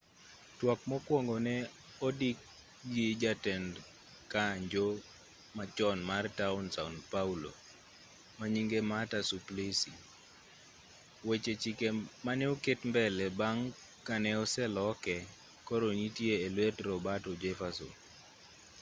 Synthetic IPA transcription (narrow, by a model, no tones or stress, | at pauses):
twɔk̚mɔkwɔŋɡonɛ | ɔdik̚ | jid͡ʒatɛnd | kaɲd͡ʒo | mat͡ʃɔnmartaʊnsaunpaulo̰ | maɲiŋɡematasuplisi | wet͡ʃet͡ʃikemanɛokɪtmbɛlɛbaŋ | kanɛɔsɛlɔkɛ | kɔɾoɲitjeːlwetɾɔbatɔd͡ʒɛfasɔ̰